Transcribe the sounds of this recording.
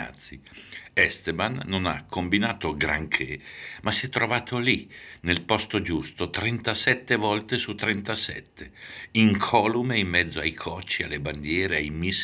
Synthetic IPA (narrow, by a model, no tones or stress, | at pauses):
a̰t̪sːiɛst̪ebanːona̰kʰːombinaːt̪oɡɾa̰ŋkʰemasiɛt̪ːɾovaːt̪ʰolinelpɔst̪od͡ʒust̪ot̪ɾɛnt̪asɛt̪ːevɔlt̪esut̪ːɾɛnt̪asɛ̰t̪ʰːeiŋkʰɔːlumeimːɛd̪zːoajkʰɔt͡ʃːialːeband̪jɛːɾeajmis